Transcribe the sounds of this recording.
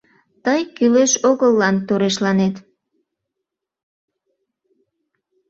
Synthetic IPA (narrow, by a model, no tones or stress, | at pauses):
t̪əjkyleʃoɣəlːɑnt̪oɾeʃ̬lɑnet̪